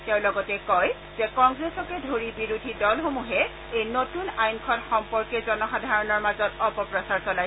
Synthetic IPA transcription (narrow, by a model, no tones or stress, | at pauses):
tɛʊ̃lɔɡɔtɛkɔj | zɛkɔŋɡɹesɔkɛdʱoɹibiɹudʱidɔlxomuɦɛ | ejnotunajnkʰɔnxɔmpɔɹkɛzɔnɔxadʱaɹɔnɔɹmazɔtɔpɔpɹɔsaɹsɔlaj